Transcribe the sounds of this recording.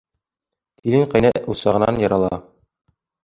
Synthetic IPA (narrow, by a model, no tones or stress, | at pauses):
t̪iliŋqɑ̆jnɘʔusɑʁɤ̆nɑ̰njɑ̆ɾɑlˠɑ